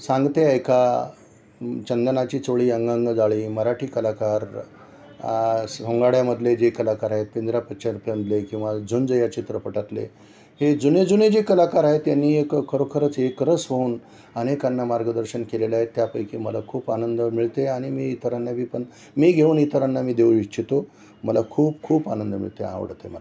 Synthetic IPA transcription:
sãŋɡt̪eəjkʰa | t͡ɕənd̪ənat͡ɕiːt͡soɭiːəŋɡãŋɡd͡zaɭiːməɾaʈiːkəlakaɾ | ɦoŋɡaɽjaməd̪ʱled͡ʑekəlakaɾaɦet̪̚pind̪ɾapətːɕaɾupjaməd̪lekĩw̃ʋad͡zund͡zəjat͡ɕit̪ɾəpəʈat̪lḛ | hed͡zuned͡zuned͡ʑekəlakaɾaɦet̪janːiːekkʰːəɾokʰəɾət͡sekɾəsʋəuːn | ənekanːamaɾɡəd̪əɾɕənkelelaɦet̪ːjapəjkiməlakʰuːpanənd̪əmiɭt̪eaɽ̃imiːt̪əɾanːabʱiːpəɳ | miːɡʱeuːnit̪əɾanːamiːd̪eʋwit͡ɕit̪o | məlakʰuːpkʰuːpanənd̪əmḭɭt̪ḛã̰ʋə̰ɽ̤t̪ḛmə̰la

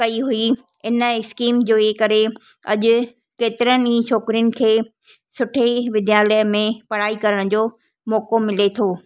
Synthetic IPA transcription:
kɐiɦui | ɪnəskiːmd͡ʑoːeːkɐɾe | ɐ̰ʄʊ̆ | keːt̪ɪɾənɪ̆ĩːt͡ɕʰɔːkɪɾijʊnɪ̆kʰeː | sʊʈʰeʋɪd̪jaːləjəmẽpɐɽ̤aːikɐɾəɽ̃d͡ʑoː | mɔːkomɪlet̪ʰoː

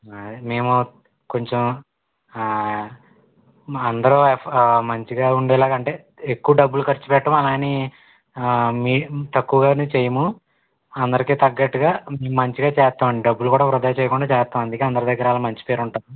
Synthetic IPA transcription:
me̞ːmu | ko̞ɲt͡ʃem | ɐnd̪ɐɾomɐɲt͡ʃiɡaːuɳɖɛːlaːɡɐɳʈe̞ː | ekːuʋɐɖɐbːulukɐɾt͡ʃːi̥pɛʈːɐmɐlaːni | miːt̪ɐkːuʋɐɡaːnuːt͡ʃejɐmu | ɐnd̪ɐɾikiːt̪ɐɡːɐʈːuɡaːmeːmumɐɲt͡ʃiɡaːt͡ʃɛːst̪ːaːmɐɳɖiɖɐbːulukuːɽaːpɾud̪aːjt͡ʃeːjɐkuɳɖaːt͡ʃɛːst̪ːaːmɐnd̪ukeːɐnd̪ɐɾɐd̪ɐɡːɐɾaːlɐmɐɲt͡ʃi̥peːɾuɳʈaːmu

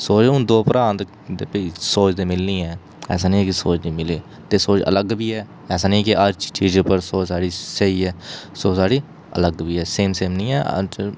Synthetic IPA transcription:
soːt͡ʃːʊnd̪oːpəɾãːnt̪ | d̪eːpəiːsoːt͡ʃd̪eːmɪlnĩːɛː | ɛ̰ːsaːnĩɛːkisoːt͡ʃnĩːmɪleː | t̪eːsoːt͡ʃə̰ləɡbʱiːɛː | ɛːsaːnĩːkiʔəɾt͡ʃt͡ʃiːd͡ʒpəɾsoːt͡ʃsaːɽiːsəiːɛːsoːsaːɽiː | ə̰ləɡbʱiːɛːseːmseːmnĩːɛ̰ː

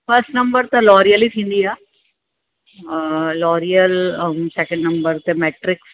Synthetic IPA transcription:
pɐɾsʈnɐ̃mbəɾt̪ɐlɔːɾijəlit̪ʰĩːnd̪ijaː | lɔːɾijəlsɛkə̃ɳɖnɐ̃mbəɾt̪emɛːʈɾɪks

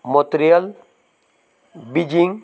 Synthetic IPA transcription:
mot̪ɾijəl | bid͡ʒiŋ

